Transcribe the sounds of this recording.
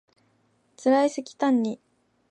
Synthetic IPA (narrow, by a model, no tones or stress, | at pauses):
t͡sɨɾaisɨkʲi̥t̪ãɲ̟ːi